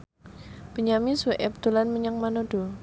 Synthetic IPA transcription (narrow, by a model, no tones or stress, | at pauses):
b̥əɲamisuʔɛp̚t̪ulanməɲaŋmanodu